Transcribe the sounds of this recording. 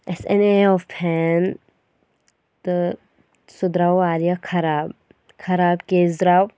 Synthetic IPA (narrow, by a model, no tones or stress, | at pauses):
ɛsɛ̰neɔfpʰɛn | t̪ | sʊd̪ɾawaːɾijakʰɐɾaːb | kʰɐɾaːbkeːzɾaw